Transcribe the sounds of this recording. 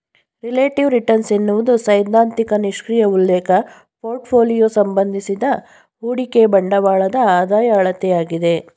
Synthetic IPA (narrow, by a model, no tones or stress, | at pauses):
ɾileːʈiʋɾiʈɐɾnsenːuʋud̪usɐjd̪ʱaːnt̪ikɐniʂkɾijɐulːeːkʰɐ | pʰoːɾʈpʰoːlijoːsɐmbɐnd̪ʱisid̪ɐ | ɦuːɽikebɐɳɖɐʋaːɭɐd̪ɐaːd̪aːjɐːɭɐt̪ɛjaːɡid̪e̞